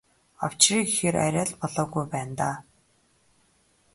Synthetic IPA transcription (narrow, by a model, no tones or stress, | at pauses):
ɔw̥t͡ɕriːkixeɾa̰ɾʲaːɮpɔɮɔːɣujpæːnt̪aː